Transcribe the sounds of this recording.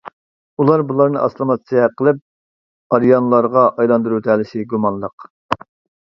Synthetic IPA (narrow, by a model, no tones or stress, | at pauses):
ulˠɑɾbulˠɑɾnɨʔɑ̰slˠɨmɑt̪sʰijɛqʰəlˠɨp̚ | ɑɾjɑnlˠɑɾʁɑʔɑjlˠɑnd̪uɾut̪ɛlɪʃɪɡumɑnlˠəq